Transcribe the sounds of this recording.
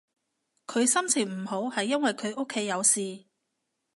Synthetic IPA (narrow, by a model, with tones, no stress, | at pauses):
kʰɵ˨˧ɥsɐ˥mt͡sʰiː˨˩ŋm̩˨˩ho˨˥whɐ˨jːɐ˥nwɐ˨jkʰɵ˨˧ɥʔo˥kʰːe˨˥jːɐ˨˧wsiː˨